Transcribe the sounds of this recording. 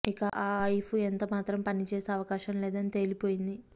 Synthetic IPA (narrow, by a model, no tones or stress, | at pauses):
ikɐʔaːɐjfpʰuent̪oːmaːt̪ɾɐmpɐnit͡ʃeːseːɐʋɐkaːʃɐmlɛːd̪ɐnit̪e̞ːlipo̞ːjind̪i